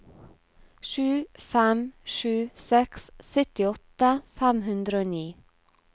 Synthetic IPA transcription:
ʃʉːfæmʃʉːsɛkssœt̪ɪɔt̪əfæmhʉnd̪ɾəoːniː

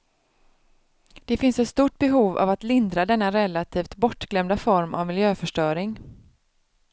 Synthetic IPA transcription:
d̪̥ɛfɪnsɛt̪st̪uːʈ̚bɛɦuːva̰vat̪lɪnd̪ɾad̪ɛnːaɾɛlːat̪ʰiːft̪bɔʈːɡ̥lɛmd̪afɔɾmʔa̰vmɪljøːfœʂʈœːɾɪŋ

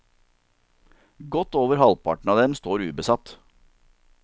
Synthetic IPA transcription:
ɡɔt̪oːʋəɾhɑlpʰɑ̰ʈɳ̩ɑːd̪ɛmst̪oːɾʉːbəsɑt̪

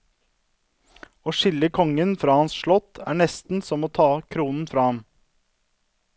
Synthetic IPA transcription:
oːʃɪləkʰɔŋənfɾɑːhɑnsʃɭɔt̪ʰæ̰ːɳɛst̪n̩sɔmoːt̪ʰɑːkʰɾuːnn̩fɾɑːhɑm

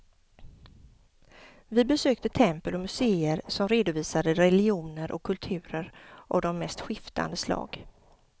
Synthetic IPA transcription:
vɪbɛsøːkt̪ət̪ʰɛmpəlɔmɵseːəɾsɔmɾeːd̪ʊviːsad̪əɾɛlɪuːnəɾʔɔkʰːɵlt̪ʰʉ̟ːɾəɾʔɔd̪ɔmːɛst̪ɧɪft̪ʰa̰nd̪əslɑ̰ːɡ̥

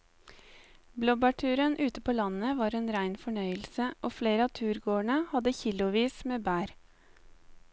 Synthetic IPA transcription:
blɔbɑʈʰʉːɾənʔʉːt̪əpʰoːlɑnəʋɑːɾeːnɾæɪnfɔɳœʏəlsəʔoːfleːɾəɑːt̪ʰʉːɾɡoːɳəhɑd̪əçɪlʊʋiːsmeːbæːɾ

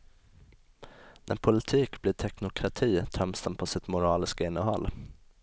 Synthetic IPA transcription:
nʔæ̰ɾpʰʊlɪt̪ʰiːkblɪːʈʰɛknʊkʰɾat̪ʰiːt̪ʰɾœmsənpʰɔsɪt̪mʊɾɑːlɪskəɪnːəɦɔ̰lː

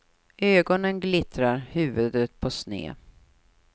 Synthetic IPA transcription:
ʔøːɡɔnənɡlɪt̪ɾaɾhʉ̟ːvɵd̪ət̪̚pʰɔsnḛː

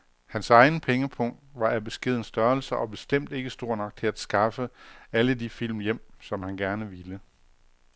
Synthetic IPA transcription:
hænsɑ̈ɪnəpʰeŋəpʰɔ̽ŋ̰d̥ʋɑ̈æb̥e̝sɡ̥e̝ð̰ˠn̩sd̥ɶɐlsɐʔɒ̽b̥e̝sd̥em̰d̥e̝ɡ̥əsd̥o̝ɐ̰nɒ̽ɡ̥̚t͡sʰe̝æd̥sɡ̥ɑ̈fəælədifil̰mjem̰sɒ̽mhænɡ̥æɐnəʋilə

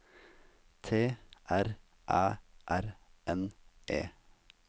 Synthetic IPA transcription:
t̪ʰeːʔæɾ | ʔɑːʔæɾʔɛnʔḛː

